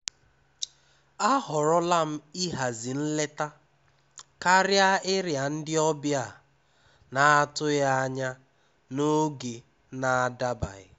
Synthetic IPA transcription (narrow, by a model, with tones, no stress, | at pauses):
a˦ɦʊ˨ɾʊ˦la˦m̩˦i˦ɦa˨zi˨n̩˦le˦ta˦ | ka˦ɾja˦ɪ˦ɾja˨n̩˦dɪ˦ɔ˦bja˦˨ | na˨a˦tʊ˦ja˦ɲa˦ | no˦ɡe˨ | na˨a˨da˦ba̰˨ɪ̰˨